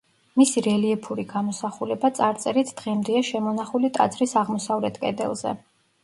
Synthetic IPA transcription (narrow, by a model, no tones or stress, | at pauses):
misiɾɛliɛpʰuɾiɡamɔsaχulɛbat̪sʼaɾt̪sʼɛɾit̪ʰd̪̥ʁɛmd̪ɛaʃɛmɔnaχulit̪ʼa̰d̪zɾisaʁmɔsavlɛt̪ʰkʼɛ̰d̪ɛ̰lˠz̥ɛ̰